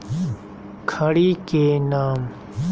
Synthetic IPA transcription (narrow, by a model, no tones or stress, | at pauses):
kʰɐɽikenaːm